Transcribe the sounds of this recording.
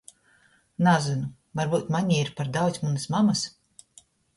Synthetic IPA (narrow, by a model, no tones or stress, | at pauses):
nazɨnu | vaɾbuːt̪maɲʲiiɾpaɾd̪awt̪sʲmunɨsmamas